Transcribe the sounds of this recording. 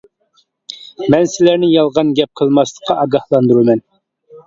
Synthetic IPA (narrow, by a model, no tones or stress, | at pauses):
mɛnsɪlæɾnɪjɑlˠʁɑnɡʲɛp̚qʰəlˠmɑslˠə̥qʰːɑɑɡɑhlˠɑnd̪uɾumɛn